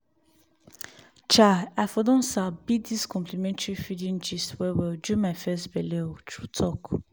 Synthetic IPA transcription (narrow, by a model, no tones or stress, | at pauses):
t͡ʃaafɔdɔ̃nsabidiskʰɔ̃mpʰlimɛ̃ntʰɹifidĩnd͡ʒiswɛwild͡ʒumafɛstbɛletʰɹutʰɔk